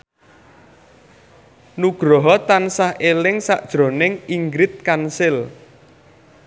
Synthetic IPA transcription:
nuɡ̥ɾɔɦɔt̪ansahʔelɪŋsa̰ʔd̥ʒ̥ɾo̤nɪŋiŋɡɾɪt̪̚kansɪl

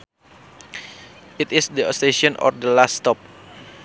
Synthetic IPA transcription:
ʔit̪isdəost̪eʃiɔnɔ̰rdəlast̪ɔp̚

